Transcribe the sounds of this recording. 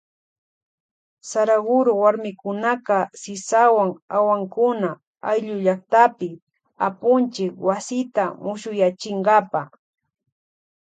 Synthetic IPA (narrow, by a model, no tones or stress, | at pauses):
saɾaɡʊɾʊwaɾmɪkʊnaqɑsɪsawaŋawaŋkʊna | ajʎʊʎaχt̪apɪ | apʊnt͡ʃɪkwasɪt̪amʊʃʊjat͡ʃɪɴɢɑpa